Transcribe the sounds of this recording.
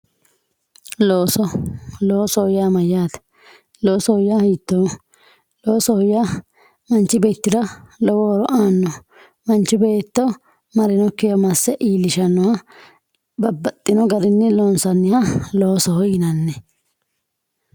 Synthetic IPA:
loːsɔloːsɔhʊjaːmɐjːaːt̪ɐ̥ | loːsɔhɔjːaːhiːt̪ːɔ | lo̞ːsɔhɔja | mɐnt͡ʃːɪbeːt̪ːɪd̪ɐlɔwɔɾɔʔaːnːɔ | mɐnt͡ʃːɪbeːt̪ːɔ | mɐɾɪnɔkːɪjɐmɐsːɛʔiːlːɪʃɐnːɔhɐ | bɐbːɐt̪ʼːɪnɔɡɐd̪ɪnːɛlɔːnsɐnːɪhɐloːsɔhɔjɪnɐnːɛ

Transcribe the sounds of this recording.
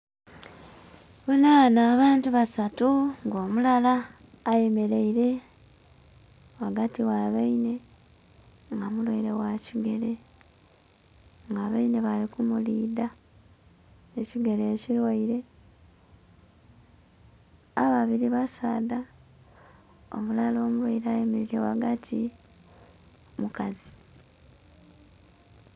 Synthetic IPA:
βulanaːβaːntuβasatuŋɡo̞ːmulalaː | je̞me̞ɾe̞iɾe̞ | waɡatiwaβeine̞ | ŋɡamulwaiɾe̞waciɡe̞ɾe̞ | ŋɡaːβaine̞βalikumuliːda | eciɡe̞le̞ːcilwaiɾe̞ | aβaβiɾiβasada | o̰mulalo̞ːmulwajiɾajemiɾiɾewa̰ɡatʰi | mukazi

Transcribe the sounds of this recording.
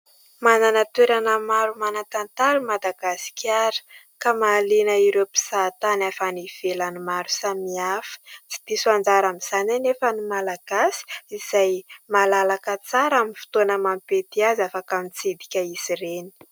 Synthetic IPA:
mananat̪weɾanəmaɾumanat̪ant̪aɾumad̪aɡasi̥kʲaɾə̥ | kamalinəiɾewpi̥sat̪anafaniv̥elanimaɾusamiafə̥t͡si̥d̪isuand͡zaɾamiz̥ananefənimalaɡ̥asi̥iz̥ajmalalakət͡saɾaminfu̥t̪onəmampet̪iazafakamit͡sid̪ikʲəisireni̥

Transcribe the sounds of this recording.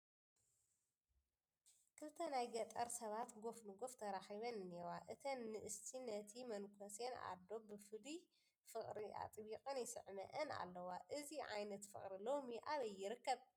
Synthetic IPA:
kʰɨlt̪ʰɐnajɡɐt̪ʼɐɾsɐβat̪ɡo̞fnɨɡo̞ft̪ʰɐɾaxiβɐnɨnewaʔɨt̪ʰɐnːɨʔɨst̪ʰinɐt̪ʰimɐnkʰɐsena̰d̪o̞bɨfɨli | fɨχʼɾiʔa̰t̪ʼβiqʼɨnjɪsɨ̰ʕmɐ̰ʔɐna̰lːɐwaʔɨziʕa̰jnɐt̪fɨ̰χʼɾilo̞miʔaβɐjːɪɾɨkːɐβ

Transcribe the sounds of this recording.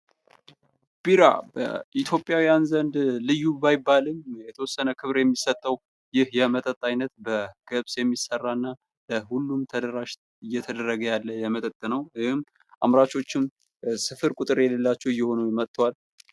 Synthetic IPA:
b̥iɾa̰bə̰ʔit̪ʰjo̞pʼːjawijanzənd̪lɨjːubajɪbːalɨmjɛt̪ʰəwɔsːənəkʰɨβɾjɛmːisət̪ʼːəw | jɪhjɛmət̪ʼət̪ʼːajnːət̪bəɡ̥əβsjɛmːisərːanːa | ləhulːumt̪ʰəd̪əɾaʃ | ɨjːɛt̪ʰəd̪əɾːəɡəjalːəjɛmət̪ʼət̪ʼːənəwɪhɨmː | ʔa̰mɾat͡ʃʰo̞t͡ʃːɪm | sɨfɨɾkʼʊt̪ʼɨɾjɛlelːat͡ʃːɛwɪjːɛho̞numət̪ːəwal

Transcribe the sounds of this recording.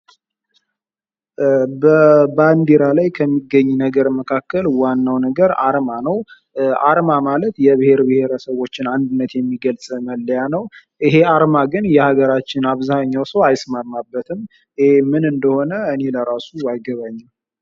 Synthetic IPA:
bəband̪iɾalajkʰəmːiɡːəɲːnəɡəɾməkʰakːəlwanːawnəɡəɾaɾmanəw | ʔaɾmamalət̪jɛbɨhe̞ɾbɨhe̞ɾəsəβo̞t͡ʃːɪnand̪ɨnːət̪jɛmːiɡəlsʼməlːəjanəwʔɨɦe̞aɾmaɡɨnjɛhaɡəɾat͡ʃːɪnaβzaɲːawsəwajsmaɾmabːət̪ʰɨm | ɨhemɨnɨnd̪əho̞nəɨne̞ləɾasuajɡəβaɲːal

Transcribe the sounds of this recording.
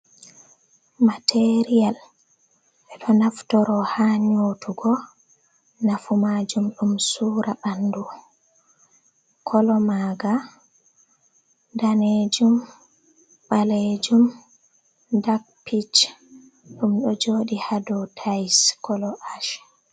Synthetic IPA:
matʰeɾijal | ɓɛɗɔnaftɔɾɔhaɲotʰuɡɔ | nafumad͡ʒumɗumsuːɾaɓandu | kʰɔlɔmaɡa | daned͡ʒum | ɓaled͡ʒum | dak̚pit͡ʃ | ɗumɗɔd͡ʒoːɗihadɔtʰajskɔlɔʔaʃ

